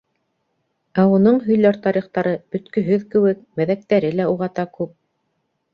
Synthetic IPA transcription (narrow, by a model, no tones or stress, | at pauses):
æunɤɴɦɵ̆jlæɾt̪ɑɾiχt̪ɑɾɤb̥ɵ̆t̪kɵ̆ɦɵðkɘ̆wɘk̚mæðæk̚t̪æɾɘlæuʁɑt̪ɑkʉp̚